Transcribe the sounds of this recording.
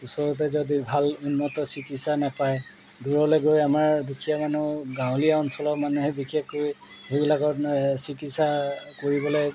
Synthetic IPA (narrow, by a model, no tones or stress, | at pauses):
usɔɹɔt̬ɛzodibʱalunmɔtɔsikitsanapaj | duɹɔlɔɡojamaɹdukʰijamanuɡãw̃liaɔnsɔlɔmanuɦɛbikʰekkoɹiɦebilakɔsikitsakoɹibɔlɛ